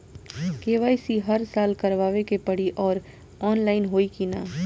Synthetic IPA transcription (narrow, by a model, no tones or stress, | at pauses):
keːʋaːisiɦɐɾsaːlkɐɾʋaːʋekepɐɽ̤iʔɔːɾ | ɔːnlaːɪnɦoːikinaː